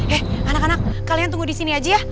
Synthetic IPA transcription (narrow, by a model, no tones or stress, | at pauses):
ɛhanakanak̚ːaliant̪uŋɡudisiniad͡ʒajah